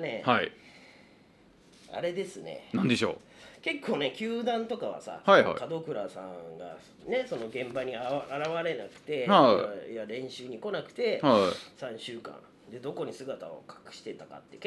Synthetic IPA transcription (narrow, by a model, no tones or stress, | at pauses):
ne̞hai | a̰ɾe̞d̪e̞sɨne̞̰nãnd̪e̞ɕo̰ː | ke̞kːo̞ːne̞kʲɨːd̪ãnt̪o̞kaβa̰sa̰haia̰k̪ad̪o̞kɯ̟ɾasã̰ɡa̰ | ne̞so̞no̞ɡẽ̞mbaɲ̟iaaɾaβaɾe̞nakɯ̟̥t̪e̞aaaɾẽ̞ɰ̃ɕɨːɲ̟iko̞nakɯ̟̥t̪e̞hasãɰ̃ɕɨːkã̰n | d̪e̞d̪o̞ko̞ɲ̟isɨɡat̪a̰o̞̰kʰḁkɯ̟̥ɕi̥t̪e̞t̪aka̰t̪ːe̞k